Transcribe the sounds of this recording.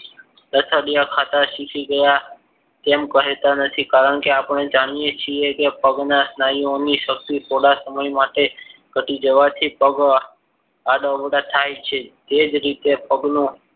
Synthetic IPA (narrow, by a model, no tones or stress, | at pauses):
d̪əsəɽijakʰat̪aʃikʰiɡəja | t̪emkəɦet̪anət̪ʰikaɾəɳ̃keapəɳed͡ʒaɽ̃ijet͡ʃʰiekepəɡnasnaioniʃək̚t̪it̪ʰoɽasəməjmaʈekəʈid͡ʒəʋat̪ʰipəɡ | ad̪əʋəɽat̪ʰajt͡ʃʰet̪ed͡ʒɾit̪epəɡnũ